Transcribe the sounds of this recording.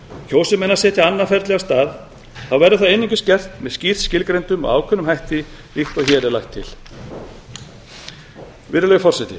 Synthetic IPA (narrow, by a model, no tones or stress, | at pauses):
çoːwsɪmɛnasɛːt̪jaanːafɛɾt̪lɛɣast̪aːð | θawvɛɾʏθaðejniŋkʏ̥scɛr̥t̪mɛðscir̥scɪlkɾejnt̪ʏmɔ̰a̰ːwkʰʏnʏmɦajht̪ɪ | liht̪ɔçɛːɾɛlajht̪ʰːɪ̰l̥ | vɪɾʏlœɣʏfɔr̥sɛjt̪ɪ̰